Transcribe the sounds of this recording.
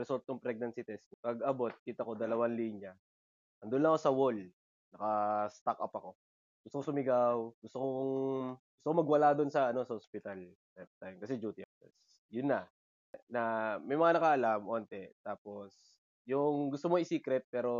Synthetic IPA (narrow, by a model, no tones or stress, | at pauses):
ɾɛsolt̪̚ːoŋpɾɛɡ̚nɐnsit̪ɛst̪pɐɡɐbo̞t̪̚kiːt̪ɐko̞d̪ɐlɐwanliɲjɐ | ʔɐŋd̪ʊnlːɐŋɐko̞sɐwol | nɐkɐst̪ak̚ʔɐpɐko̞ | ɡʊst̪okosʊmɪɡawɡʊst̪okoŋɡʊst̪oomɐɡwɐlad̪onsɐɐno̞sɐhospɪt̪ɐl | tɛt̪t̪ajmkɐsɛd͡ʒuːt̪ɪɐkt̪ɛ̰s | jʊnːɐ | nɐmɐjmɐŋanɐkaʔɐlamʔoːnt̪ɛt̪aːpo̞s | jʊŋɡʊst̪omoɪsiːkɾɛt̪̚pɛːɾo̞